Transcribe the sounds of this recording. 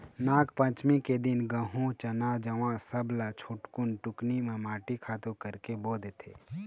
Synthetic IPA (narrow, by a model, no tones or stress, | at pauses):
naːkpə̃t͡ʃmiked̪ɪnɡə̃ɦũt͡ʃənad͡ʒəʋãsəblat͡ʃʰʊʈkʊnʈʊknimẽmaːʈikʰaːt̪ukəɾkeboːd̪et̪ʰḛː